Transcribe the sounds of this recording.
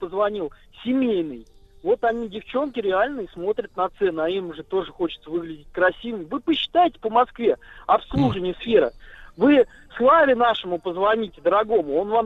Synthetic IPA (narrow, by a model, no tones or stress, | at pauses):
pəzvɐnʲilˠ | sʲɪmʲejnɨj | vo̞t̪ɐnʲidʲɪft͡ɕo̞nkʲɪɾʲɪalʲnəɪsmo̞t̪ɾʲət̪nɐt̪sɛnɨɐimʐɨt̪o̞ʐɨxo̞t͡ɕɪt̪səvɨɡlʲɪdʲɪtʲkɾɐsʲivɨmvɨpəɕːɪ̥t̪ajɪtʲɪ̥pəmɐskvʲe̞ɐpslˠuʐɨvənʲɪjəsfʲe̞ɾə̰vɨ | slˠavʲɪnaʂɨmʊpəzvɐnʲitʲɪd̪əɾɐɡo̞mʊo̞nvam